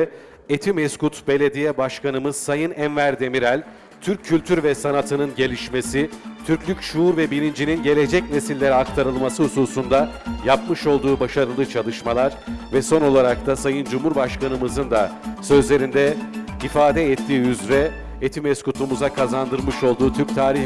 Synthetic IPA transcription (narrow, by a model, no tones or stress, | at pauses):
et̪ʰimɛskut̪be̞lʲe̞d̪ijɛbaʃkʰanɯmɯz̥sajɯnænvæɾd̪e̞miɾælʲ | t̪ʰyɾcʰːylʲt̪ʰyɾvɛsanat̪ʰɯnɯnɟe̞lʲiʃme̞sit̪ʰyɾclʲycʃuuɾvɛbilʲind͡ʒininɟe̞lʲed͡ʒɛcne̞silʲːe̞ɾiak̚t̪ʰaɾɯlˠmasɯhusuːsund̪ajap̚mɯʃo̞lˠd̪uːbaʃaɾɯlˠɯt͡ʃʰalˠɯʃmalˠaɾvɛso̞no̞lˠaɾak̚t̪ʰasajɯnd͡ʒumhuɾbaʃkanɯmɯzɯnd̪asø̞zlʲe̞ɾind̪ɛifaːd̪ɛɛt̪ʰːiːyzɾɛ | et̪ʰimɛskut̪ʰumuzakʰazand̪ɯɾmɯʃo̞lˠd̪uːt̪ʰyɾc̚ʲt̪ʰaːɾi